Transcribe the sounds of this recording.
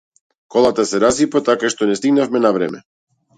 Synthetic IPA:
kɔlˠat̪asɛɾasipat̪akaʃt̪ɔnɛst̪iɡnafmɛnavɾɛ̰mɛ̰

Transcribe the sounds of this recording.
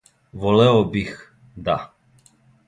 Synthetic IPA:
vɔlɛɔbix | d̪a̰

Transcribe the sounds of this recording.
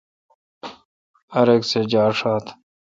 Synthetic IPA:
ɐɾeksed͡ʑaːɾʂaːt̪ʰ

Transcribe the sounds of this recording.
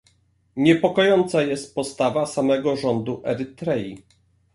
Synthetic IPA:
ɲɛpɔkɔjɔnt̪sajɛst̪̚pɔst̪avasamɛɡɔʐɔnd̪uʔɛɾɘt̪ɾɛji

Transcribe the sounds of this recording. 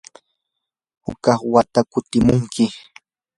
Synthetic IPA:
hʊ̰kɑχwat̪akʊt̪ɪmʊŋkʰɪ

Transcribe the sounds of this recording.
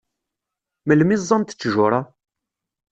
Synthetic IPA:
məlmizˤːɑnt̪ə̥t͡sːʒʊɾˤɑ

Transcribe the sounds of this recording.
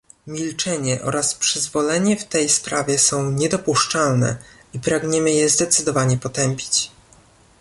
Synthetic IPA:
mʲilt͡ʂɛɲɛʔɔ̰ɾaspʂɘzvɔlɛɲɛft̪ɛjspɾavʲjɛsɔ̃w̃ɲɛd̪ɔpuʂt͡ʂalnɛ̰ipɾaɡɲɛmɘjɛzd̪ɛt̪sɘd̪ɔvaɲɛpɔt̪ɛmpʲi̥t͡ɕ

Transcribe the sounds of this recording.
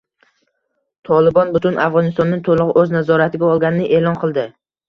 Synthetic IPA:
t̪ʰɒlɪbɒnbʊt̪ʰʊnʔafʁɒnɪst̪ɒnːɪŋt̪ʰolˠɨʁɨʔɵznazɒɾat̪ʰɪɡʲaɒlˠɡʲanɪnɪʔeːlˠɒnqʰɨlˠd̪ɪ

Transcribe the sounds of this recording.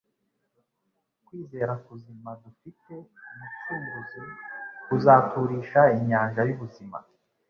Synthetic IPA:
kwiːze̞ːɾakuzimadufite̞mut͡ʃuːŋɡuzikuzaːtʰuɾiʃaiɲaːnʒajuβuzima̰

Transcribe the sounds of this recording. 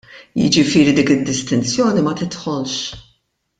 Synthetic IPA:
jɪ̰d͡ʒɪfɪːɾid̪iːkɪd̪ːɪst̪ɪnt͡sjɔːnimɐt̪ɪt̪ħɔlʃ

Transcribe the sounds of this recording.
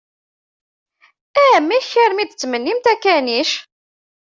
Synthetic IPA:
æmiçːəɾmid̪̚t͡sːmənːimt̪ækːæniʃ

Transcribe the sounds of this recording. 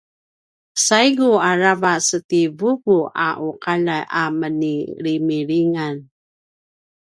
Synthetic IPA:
sajɡuaɾavasətivuɡuʔa̰ʔuqaɭajʔaməniɾimiɾiŋan

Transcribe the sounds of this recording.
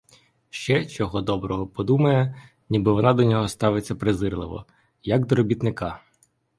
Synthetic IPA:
ʃt͡ʃɛt͡ʃɔɦɔd̪ɔbɾɔɦɔpɔd̪umɐjɛ | nʲibɪʋɔnɑd̪ɔnʲɔɦɔst̪ɑʋet͡sʲːɐpɾezɪrlˠɪʋɔ̰ | jɐɡd̪ɔɾɔbʲit̪nɪkɑ

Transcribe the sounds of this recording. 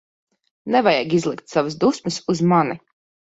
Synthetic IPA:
nɛvajaɡizlˠikt̪savasd̪usmɨsuzmani

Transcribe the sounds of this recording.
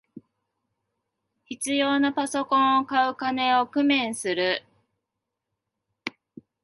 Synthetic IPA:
çit͡sɨjo̞ːnapaso̞kõ̞ɰ̃o̞kaɯ̟kane̞o̞kɯ̟mẽ̞ɰ̃sɨɾɯ̟

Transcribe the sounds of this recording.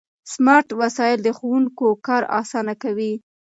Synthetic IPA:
smɑɾʈwasɑjɪld̪əxowuŋkokɑɾɑ̰sɑnakawi

